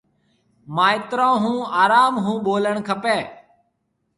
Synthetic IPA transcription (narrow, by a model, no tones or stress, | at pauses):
mãːɪt̪ɾãːɦũːaːɾaːmɦũːɓoːləɳkʰəpeː